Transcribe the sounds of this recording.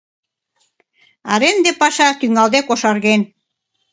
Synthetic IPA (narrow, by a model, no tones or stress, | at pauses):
ɑ̰ɾend̪epɑʃɑt̪yŋɑld̪ekoʃɑrɣen